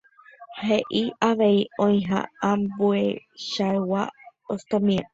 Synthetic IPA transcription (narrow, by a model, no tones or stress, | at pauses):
heʔiaʋe̞iõj̃ɦa̰ambueʃaewaost̪õmĩa